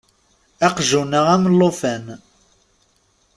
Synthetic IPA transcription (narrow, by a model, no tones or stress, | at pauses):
æqʒunəʁæmlːofæn